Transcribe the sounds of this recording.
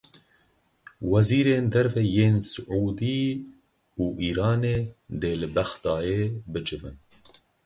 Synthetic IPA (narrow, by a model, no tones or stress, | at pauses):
wɛziːɾeːnd̪ɛɾvɛjeːnsɨʕuːd̪i | uːʔiːɾɑːneːd̪eːlɨbɛxt̪ɑːjeːbɨd͡ʒɨvɨn